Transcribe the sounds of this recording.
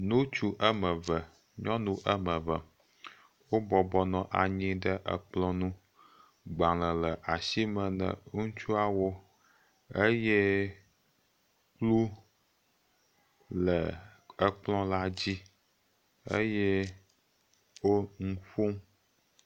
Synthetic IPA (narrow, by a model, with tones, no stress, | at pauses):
nũ˦t͡ʃu˦ʔə˦mə˨və˨ | ɲɔ̃˦nũ˨ʔə˦mə̃˨və˨ | wo˦bɔ˨bɔ˦nɔ̃˨ʔa˨ɲĩ˦ɖə˦ʔə̰˨k͡plɔ̃˦nũ˦ | ɡ͡ba˨lə˨lə˨ʔa˨si˦mə̃˨nə̰̃˨˦ŋũ˦t͡ʃu˦a˦wo˦ | e˦jɛ˦ | k͡plu˦ | lə˨ə˦k͡plɔ̃˦la˦d͡ʑi˦ | ḛ˦jɛ˦ | wo˦ŋu˦ɸu˦m